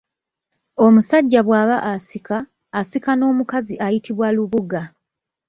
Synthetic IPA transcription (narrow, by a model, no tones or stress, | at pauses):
omusaɟːaβwaːβaʔasikaː | sikano̞ːmukaziʔajitʰiβwaluβuɡa